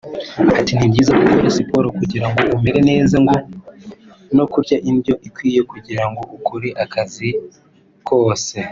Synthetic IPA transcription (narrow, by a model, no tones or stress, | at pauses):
atinibɟiːzakukoɾisipo̞ɾokuɟiɾaŋɡo̞ʔume̞ɾe̞ne̞ːzaŋɡo̞ | no̞kuɾɟaʔindjo̞ʔikwiːje̞kuɟiɾaŋɡo̞ʔukuɾiʔakʰazi | kʰo̞ːse̞